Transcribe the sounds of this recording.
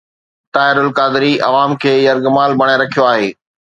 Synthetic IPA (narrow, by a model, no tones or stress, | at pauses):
t̪aːɦɪɾʊlkaːd̪ɪɾiʔɐ̰ʋaːmkʰeːjɐɾɡmaːlbɐɽ̃eɾɐkʰijoaːɦeː